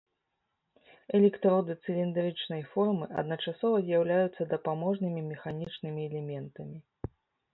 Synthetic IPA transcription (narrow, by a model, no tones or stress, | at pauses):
ɛlʲɛkt̪ɾɔd̪ɨt̪sɛlʲind̪aɾɨt͡ʂnɐjfɔrmɨʔɐ̰d̪nɐt͡ʂasɔvɐzʲjawlʲajut̪sːɐd̪ɐpamɔʐnɨmʲimʲɛxanʲit͡ʂnɨmʲiɛlʲɛmʲɛnt̪ɐmʲi